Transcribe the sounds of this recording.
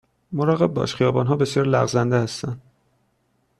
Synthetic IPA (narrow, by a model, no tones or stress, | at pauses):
moɾɒːɣe̞b̚bɒ̰ːʃχijɒːbɒːnɦɒːbe̞sjɒːɾlæ̰ɣzænd̪ehæst̪ænd̪̥